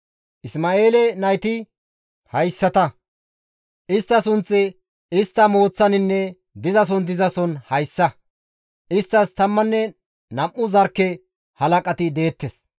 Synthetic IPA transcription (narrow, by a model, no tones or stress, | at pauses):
ʔɪsmaːʔe̞ːlɛnɐjt̪ɪ | hɐjsːɐt̪ɐ | ʔɪst̪ːɐsʊnt͡sʼːɛ | ɪst̪ːɐmo̞ːt͡sːɐnɪnːɛ | d̪ɪzɐs̬ɔnd̪ɪzɐsɔnhɐjsːɐ | ʔɪst̪ːɐst̪ɐmːɐnːɛ | nɐmʔʊzɐɾkːɛ | hɐlɐkʼɐt̪ɪd̪e̞ːt̪ːes